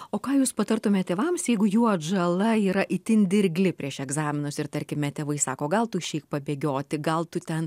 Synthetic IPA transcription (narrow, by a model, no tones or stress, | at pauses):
oːkɑːjuːspɐt̪ɐrt̪ʊmʲɛt̪ʲeːʋɐmsjɛɪɡʊjuːɐdʒɐlˠɐiːɾɐʔɪt̪ʲɪnʲd̪ʲɪɾʲɡʲlʲɪpʲɾʲiɛʃɛɡzɑːmʲɪnʊsɪrt̪ɐɾʲkʲɪmʲɛt̪ʲeːʋɐɪsɑːkoːɡɐlˠt̪ʊʃʲɛɪk̚pɐbʲeːɡʲoːt̪ʲɪɡɐlˠt̪ʊt̪ʲɛn